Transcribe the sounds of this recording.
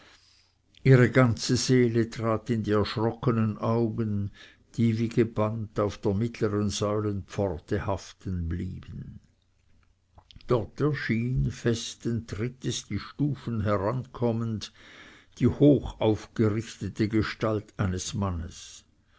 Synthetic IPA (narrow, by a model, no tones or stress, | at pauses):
ʔiːʁəɡant͡səzeːlətʁ̥aːtɪndiːɛɐʃʁɔkənənʔaʊɡən | d̥iːviːɡ̥əb̥antaʊfd̥eːɐmɪtʰləʁənzɔʏlənpp͡fɔʁtəhaftənblḭːb̥ən̩ | d̥ɔʁtɛɐʃiːnfɛstəntʁɪtəsd̥iːʃtuːfənɦɛʁankʰɔmənd | d̥iːhoːxaʊfɡ̥əʁɪçtətəɡəʃtaltʰaɪnəsmanəs